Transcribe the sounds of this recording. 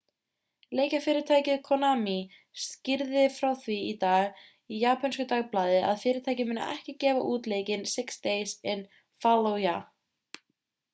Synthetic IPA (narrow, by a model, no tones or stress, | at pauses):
leːjcafɪːɾɪ̥t̪ʰaːjcɪðkʰɔnaːmi | scɪɾðɪfɾawθviit̪aːɣ | ijaːpʰanskʏt̪aɣplaːðɪa̰ðfɪːɾɪɾt̪ʰaːjcɪmɪːnːa̰ʔɛ̰hcɪcɛːva̰ʔuːt̪leːjcɪnsɪkst̪eːjsɪn | falowja